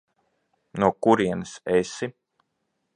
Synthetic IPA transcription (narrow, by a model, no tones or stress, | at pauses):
nuɔkuɾiɛnɨsesi